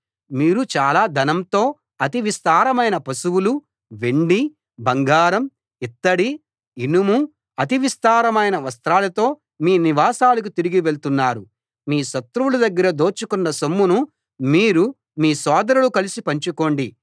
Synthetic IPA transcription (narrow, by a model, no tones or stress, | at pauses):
miːɾut͡ʃaːlaːd̪ʱɐnɐmt̪o̞ː | ɐt̪iʋist̪aːɾɐmɐjnɐpɐsuwulu | ʋeɳɖi | bʱɐŋɡaːɾɐm | it̪ːɐɽi | inumu | ɐt̪̬iʋist̪aːɾɐmɐjnɐʋɐst̪ɾaːlɐt̪o̞ː | miːniʋaːsaːlɐk̬ut̪iɾiɡiʋe̞ɭt̪unːaːɾu | miːʃɐt̪ɾuwulud̪ɐɡːɐɾɐd̪o̞ːt͡ʃukunːɐsomːunu | miːɾu | miːsɔːd̪ɐɾulukɐlisipɐɲt͡ʃuko̞ːɳɖi